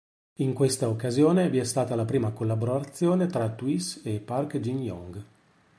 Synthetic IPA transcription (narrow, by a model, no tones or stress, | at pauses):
iŋkwest̪aokːazjoːneviɛst̪aːt̪alapɾiːmakolːaboɾat̪sːjoːnet̪ɾat̪wisepːarkd͡ʒinjɔ̰ŋɡ